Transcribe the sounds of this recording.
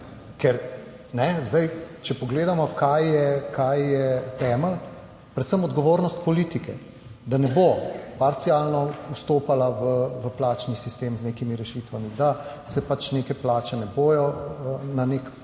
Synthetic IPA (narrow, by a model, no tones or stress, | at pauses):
kɛɾ | nɛzd̪ɐjt͡ʃɛpɔɡleːd̪amɔkajjɛkʰajːɛt̪ɛːməl | pɾɛt̪səmɔd̪ɡɔʋoːɾnɔst̪pɔliːt̪ikɛ | d̪anɛbopaɾt̪siaːlnɔust̪oːpalaʋəʋəplaːt͡ʃnisist̪eːmzneːkimiɾɛʃiːt̪ʋamid̪a | sɛpat͡ʃneːkɛplaːt͡ʃɛnɛboːjɔnanek